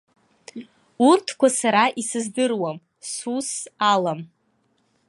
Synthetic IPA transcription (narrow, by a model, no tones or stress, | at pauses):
urtʰkʷasaɾaʔisɨzdɨrwam | susalam